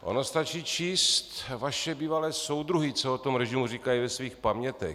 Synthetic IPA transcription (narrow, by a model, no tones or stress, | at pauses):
ʔo̰nost̪at͡ʃiːt͡ʃiːst̪vaʃɛbiːvalɛːso̞wd̪ɾuɦɪt͡soot̪omɾɛʒimuriːkajivɛsviːxpamɲɛt̪ɛx